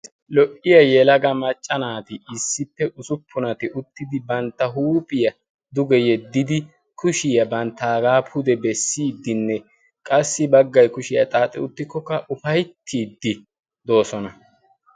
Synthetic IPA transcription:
lɔʔɪjɐjɛlɐɡɐmɐt͡ʃʼːɐnaːt̪ɪɪsːɪpːɛʔʊsʊpʰːʊnɐt̪ɪʔʊt̪ːɪd̪ɪbɐnt̪ːɐɦuːpʼɪjɐ | d̪ʊɡɛjɛd̪ːɪd̪ɪ | kʰʊʃɪjɐbɐnt̪ːaːɡaːpʰʊd̪ɛbɛsːiːd̪ːɪnːɛ | kʼɐsːɪbɐɡːɐjkʊʃɪjɐt̪ʼaːt̪ʼːɪ̰ʊt̪ːɪkːɔkːɐʔʊfɐjt̪ʰːiːd̪ːɪ | d̪o̞ːsɔnɐ

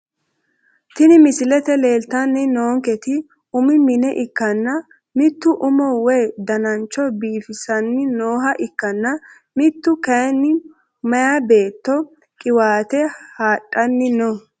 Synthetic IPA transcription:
t̪ɪnɪmɪsɪlɛt̪ɛleːlt̪ɐnːɪnoːŋkɛt̪ɪ | ʊmɪmɪnɛʔɪkːɐnːɐ | mɪt̪ːʊʔʊmɔwɛjd̪ɐnɐnt͡ʃːɔbiːfɪsɐnːɪnoːɦɐʔɪkːɐnːɐ | mɪt̪ːʊkɐjnːɪ | mɐjabe̞ːt̪ːɔ | kʼɪwaːt̪ɛhaːtʼːɐnːɪnɔ

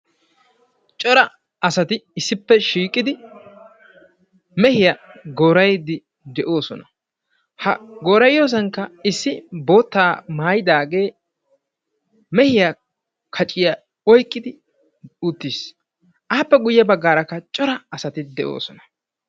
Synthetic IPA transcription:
t͡ʃʼɔɾɐ | ɐsɐt̪ɪɪsːɪpːɛʃiːkʼːɪd̪ɪ | mɛhɪjɐɡoːɾɐjd̪ɪ | d̪ɛʔo̞ːsɔnɐ | hɐɡoːɾɐjjo̞ːs̬ɐŋkːɐɪsːɪbo̞ːt̪ːaːmaːjɪd̪aːɡe̞ː | mɛhɪja | kʰɐt͡ʃʼɪjɐ | ɔjkʼːɪd̪ɪ | ʊt̪ːiːs | ʔaːpːɛɡʊjːɐbɐɡːaːɾɐkːɐt͡ʃʼɔɾɐːsɐt̪ɪd̪ɛʔo̰ːsɔnɐ̥

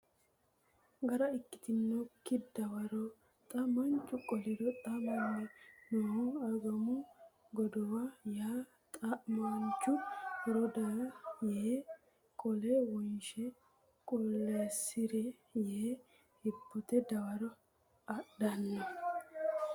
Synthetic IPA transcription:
ɡɐɾɐɪkːɪ̥t̪ɪnːokːɪd̪ɐwɐɾɔ | t̪ʼɐmɐnt͡ʃʼːʊkʼɔlɪd̪ɔt̪ʼɐmɐnːɛnɔhɔɐɡɐmʊ | ɡɔd̪ɔwajaː | t̪ʼɐmɐnt͡ʃːʊɾɔd̪ɐjeː | kʼɔlɛwɔnʃɛ | kʼɔlːesɪɾɛ | je | hɪbːɔt̪ɛd̪ɐwɐɾɔ | ɐɗɐnːɐ

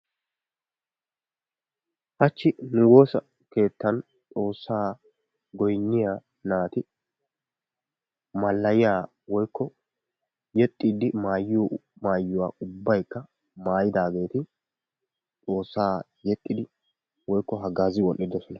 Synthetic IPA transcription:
hɐt͡ʃːɪnʊwo̞ːsɐ | ke̞ːt̪ːɐn | t͡sʼo̞ːsːaː | ɡɔjɲːɪjaː | naːt̪ɪ | mɐlːɐjɪjaː | wɔjkːɔ | jɛt̪ʼːiːd̪ɪmaːjːɪɔmaːjːʊwa̰ːʊbːɐjkːɐ | maːjɪd̪aːɡe̞ːt̪ɪ | t͡sʼo̞ːsːaː | jɛt̪ʼːɪd̪ɪ | wɔjkːɔɦɐɡaːzɪwɔnʔːɪd̪ɔsɔnɐ

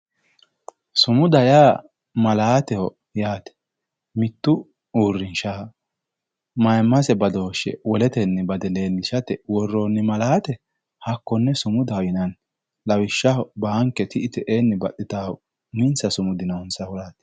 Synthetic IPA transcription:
sʊmʊd̪ɐjaː | mɐlaːt̪ɛhɔ | jaːt̪ɛ̥ | mɪt̪ːʊ | uːrːɪnʃaː | mɐjmːɐsɛbɐd̪oːʃɛ̰wɔlɛt̪ɛnːɛbɐd̪ɛle̞ːlːɪʃɐt̪ɛwɔrːoːnːɪmɐlaːt̪ɛ | hɐkːɔnːɛsʊmʊd̪ɐjɪnɐn | lɐwɪʃːɐbaŋkːɛt̪ɪʔɪt̪ɛʔeːnːɛbɐɗːɪt̪a | mɪnsɐsʊmʊd̪ɪnɐʊnsɐhɔlaːt̪ɛ̥

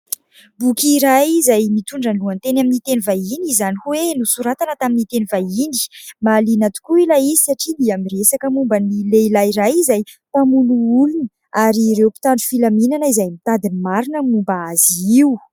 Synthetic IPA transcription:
bukiɾajizajmit̪uɳɖ͡ʐənluant̪enaminit̪enivajinizanikuwenusuɾat̪anət̪aminit̪enivajini̥malinat̪u̥kuilajii̥saʈ͡ʂiliamiresakəmumbənilelajrajizajt̪amunuulunə | aɾiɾewpi̥t̪aɳɖ͡ʐufilaminanəizajmit̪ad̪inmaɾinəmumbaaziw

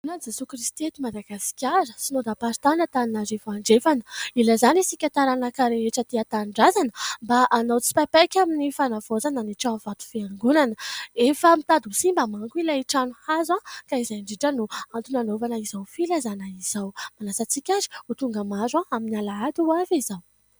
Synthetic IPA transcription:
unad͡zesukɾist̪iet̪imad̪aɡasi̥kʲaɾəsinod̪apaɾt̪anət̪aninazefaɳɖ͡ʐefanəilazanisikʲat̪aɾanakaɾeeʈ͡ʂət̪iat̪aɳɖ͡ʐazanəmbaʔanawt͡si̥papajkʲaminifanavozananiʈ͡ʂav̥at̪u̥fiaŋɡunanəefəmit̪ad̪usimbamaŋkuilaiʈ͡ʂanuhazakaizajɳɖ͡ʐiʈ͡ʂənuant̪unanovanəizawfilazanaiz̥awmanasat͡sikʲazi̥ut̪uŋɡamazaaminalaat̪uavizaw

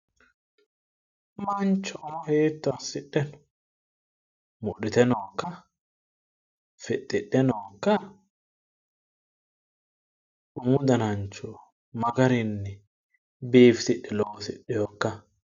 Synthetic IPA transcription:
mɐnt͡ʃːɔʔʊmɔheːt̪ːɔɐsːɪɗːɛn | mʊʔɗɪt̪ɛnokːɐ | fɛtʼːɪɗɛnokːɐ | ʔʊmʊd̪ɐnɐnt͡ʃːɔ | mɐɡɐɾɪnːɛ | beːfsɪɗːɛloːsɪɗːɛjoːkːɐ

